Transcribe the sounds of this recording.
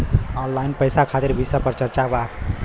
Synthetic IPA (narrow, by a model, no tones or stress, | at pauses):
ɔnlajnpəjsakʰat̪eɾbʱisəpəɾt͡ʃəɾt͡ʃabak